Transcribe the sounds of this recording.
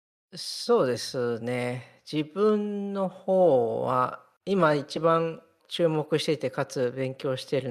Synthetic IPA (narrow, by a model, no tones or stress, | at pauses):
so̞ːd̪e̞sɨne̞ | d͡ʑibɯ̃nːo̞ho̞ːβa̰ | imait͡ɕibãn | t͡ɕɨːmo̞kɯ̟ɕi̥t̪e̞t̪e̞kat͡sɨbẽ̞ŋkʲo̞ːɕi̥t̪e̞ɾɯ̟